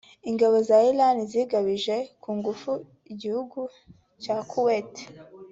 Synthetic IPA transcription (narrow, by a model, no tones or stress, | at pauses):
iŋɡaβo̞zailaniziɡaβiʒe̞kʰuːŋɡufu | iɟihuɡu | cakʰuwet